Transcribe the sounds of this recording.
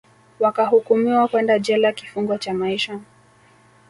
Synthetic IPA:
wakahukumiwakwɛndad͡ʒɛlakifuŋɡwat͡ʃamaiʃa

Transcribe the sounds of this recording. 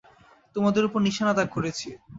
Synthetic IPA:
t̪omad̪eɾupoɾniʃanat̪akoɾet͡ɕʰi

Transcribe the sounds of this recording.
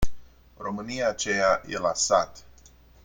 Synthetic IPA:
ro̞mɨniaːt͡ʃejajḛlasat̪

